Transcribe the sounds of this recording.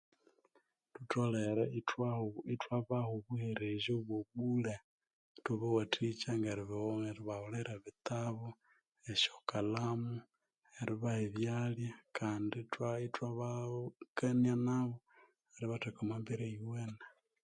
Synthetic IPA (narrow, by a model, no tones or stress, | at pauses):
tutoleɾaitwaβahoβuheɾeʒoβwoβule | tuβewatit͡ʃaŋɡaɾiβeɾiβaholeɾaβit̪aβo | eʃokalamu | eɾiβaheβjaljakaːnditwaitwaβakanianaβo | eɾiβatekomambeɾeiweːna